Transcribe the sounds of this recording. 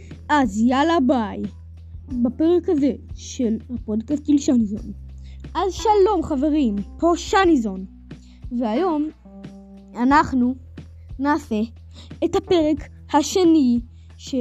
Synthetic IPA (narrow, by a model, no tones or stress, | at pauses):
ʔazijalabaj | bape̞ʁekhazeʃe̞lhapo̞dkast̚ɡilʃanizo̞̰nʔazʃalo̞mχave̞ʁimpo̞ʃanizo̞n | veajo̞m | anaχnu | naːfe | ethape̞ʁek | haʃe̞ni | ʃe